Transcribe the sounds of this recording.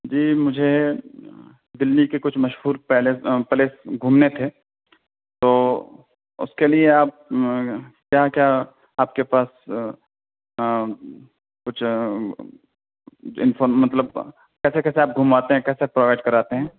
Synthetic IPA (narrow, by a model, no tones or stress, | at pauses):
d͡ʒiːmʊd͡ʒʱe | d̪ɪlnikekʊt͡ʃʰmɐʃɦuːɾpɛɦlepɐleːsɡʱuːmnet̪ʰeː | t̪oː | ʊ̰skelieaːp̚ | kjaːkjaː | aːp̚kepaːs | kʊt͡ʃʰ | ɪ̰nfoːɾmɐt̪ləb | kɛːsekɛːseaːp̚ɡʱumaːt̪eɦɛ̃kɛːseapɾoːʋaːɪʈ̚kɐɾaːt̪eɦɛ̃ː